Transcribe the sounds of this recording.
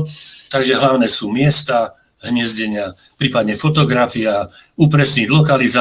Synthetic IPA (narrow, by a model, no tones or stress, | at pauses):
t̪aɡʒɛɦlaʊnɛːsuːmɪɛst̪a | ɦɲɪɛzɟɛɲɪapɾiːpad̪ɲɛfɔt̪ɔɡɾafiauːpɾɛsɲidlɔkaliza